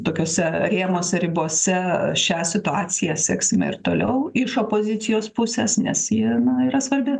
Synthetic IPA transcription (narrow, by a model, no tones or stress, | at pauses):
t̪oːkʲoːsʲɛɾʲeːmoːsʲɛɾʲɪboɔsʲɛʃʲæsʲɪt̪ʊɑːt͡ssʲɪjæːsʲɛːksʲɪmɐ̰ɪɾt̪oːlʲɛʊɪʃoːpoːzʲɪt̪sʲɪjoːspʊsʲɛsnʲɛsjiɛnɐiːɾɐsʋɐrʲbʲɪ